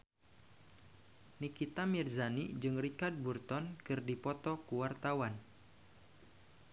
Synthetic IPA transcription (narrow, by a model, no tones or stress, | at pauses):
nikit̪amirzanid͡ʒɨŋrikard̚burt̪ɔnkɨrdipɔt̪ɔkuwart̪awan